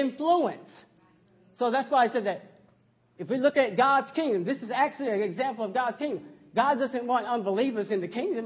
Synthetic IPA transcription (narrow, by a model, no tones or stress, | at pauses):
ɪ̃ɱfluə̃nsː | oʊðætswaɪisɛd̪̚ðɨɾ | ɨfwilʊkɨt̚ɡ̥ɑdz̥kʰɪ̃ŋdɨ̃mðɪsɨzæk̚t͡ʃʉl̩ˠiɨɨɡzæ̃mpl̩ˠʌvɡɑdz̥kʰɪ̃ŋdɨ̃m | ɡ̥ɑdʌzɨ̃nt̚wɑ̃ntʌ̃nbəlivə˞zɨ̃nðɨkʰɪ̃ŋdɨ̃m